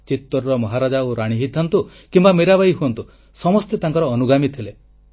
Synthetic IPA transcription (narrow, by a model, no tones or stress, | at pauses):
t͡ʃit̪ːɔɾɾɔmɔɦaɾad͡ʒaoɾaɽ̃iɦit̪ʰɔnt̪u | kimbameɾabajɦuɔnt̪u | sɔmɔst̪et̪aŋkɔɾɔːnuɡamit̪ʰile